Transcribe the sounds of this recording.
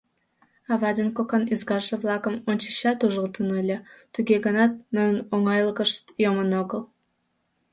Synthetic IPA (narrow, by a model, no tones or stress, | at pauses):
ɑβɑd̪ʲenkokənyzɡɑrʒəvlˠɑkə̆monʲt͡ɕi̥ɕɑt̪uʒəlˠt̪ənəlʲet̪yɡʲeɡə̆nɑt̪̚mɘnnoŋɑjlˠɣəʃt̪jomənoɡə̆lˠ